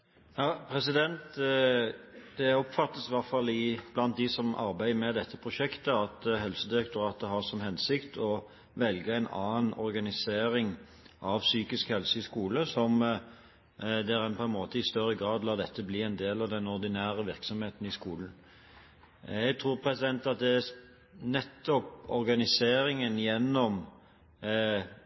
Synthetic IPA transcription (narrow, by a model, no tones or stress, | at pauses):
jɑpʰɾɛsɪd̪ɛnt̪ | d̪̥ɛɔpfɑt̪ːəsʋæɾt̪fɑlːɪb̥lɑnt̪̚d̪ɪsɔmʔɑ̰ɾbæɪəmɛd̪ɛt̪ʰːəpʰɾʊʃɛkt̪əɑt̪ɦɛlsəd̪ɪɾɛk̚t̪ʊɾɑːt̪əɦɑʁsɔmɦɛnsɪkt̪ʰɔ | ʋɛlɡəæɪnɑ̰ːnɔ̰ɾɡɑnɪseːɾɪŋ | ʔɑʋsyːkɪskhɛlsəɪskuːləsɔm | d̪ɛɾɛnpʰɔɛnmoːt̪əɪst̪œɾːəɡɾɑːd̪lɑːd̪ɛt̪ʰːəbliːɛɪnd̪eːlɑʋd̪ɛnɔɾd̪ɪnæːɾəʋɪɾksɔmheːt̪n̩ɪskuːln̩ | jɛɡt̪ʰɾuːɾpʰɾɛsɪd̪ɛnt̪ɑt̪̚d̪ɛæ | nɛt̪ːɔpɔɾɡɑnɪseːɾɪŋənjɛnːɔm